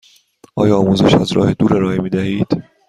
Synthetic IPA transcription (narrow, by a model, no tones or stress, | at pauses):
ɒːjɒːmuːze̞̰ʃæzɾɒ̰ːhe̞d̪uːɾeɾɒːemiːd̪æhiːd̪̥